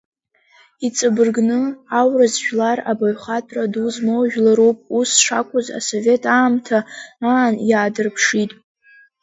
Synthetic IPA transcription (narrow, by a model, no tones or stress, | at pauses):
it͡sʼɨbɨrɡnɨawrazʒᶣlara̰baɥχatʰʼraduzmowʒᶣlaɾupʼusʂa̰kʷʰʼʊza̰so̞ve̞tʰʼaːmtʰaaːnjaːdɨrpʰʂitʼ